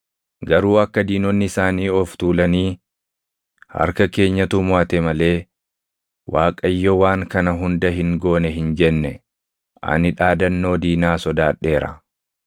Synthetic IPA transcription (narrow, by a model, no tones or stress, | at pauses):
ɡɐɾuːɐkːɐd̪iːnɔnːɪɪsaːniːɔft̪uːlɐniː | hɐ̰ɾkɐke̞ːɲːɐt̪ʊmʊɐt̪ɛmɐle̞ː | wʔaːkʼɐjːɔwaːŋkɐnɐɦʊnd̪ɐɦɪŋɡo̞ːnɛɦɪnd͡ʒɛnːɛ | ʔɐ̰nɪᶑaːd̪ɐnːo̞ːd̪iːnaːsɔd̪aːᶑːe̞ːɾɐ̰